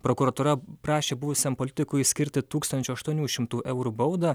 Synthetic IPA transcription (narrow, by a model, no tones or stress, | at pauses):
pɾoːkuɾɐt̪uːɾɐpɾɑːʃʲeːbʊʋʊsʲɛmpolʲɪt̪ʲɪkʊɪsʲkʲɪɾʲt̪ʲɪt̪uːkst̪ɐnʲt͡ʃʲʊɐʃt̪uɔnʲuːʃʲɪmt̪uːʔɛʊɾubɐʊd̪ɐ